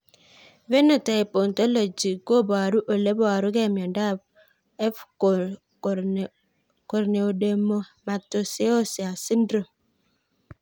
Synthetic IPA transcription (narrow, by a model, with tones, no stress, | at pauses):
ve˦no˨ta˨e˨po˨n˨to˦lo˨d͡ʒi˨ɡo˦˨bo˨a˨ɾu˦ʔo˨le˦bɔ˦a˨ɾu˦ɡe˦˨mjɔ˨da˦˨ | ɛ˦f | ko˨ɾne˨o˨de˨mo˦ma˨to˨se˦o˦si˨a˨si˦n˦dɾo˨